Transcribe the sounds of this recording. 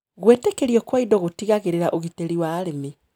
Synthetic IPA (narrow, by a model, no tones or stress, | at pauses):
ɣwetekeɾiɔkwaidɔɣotiɣaɣeɾeɾaʔoɣiteɾiwaːɾeme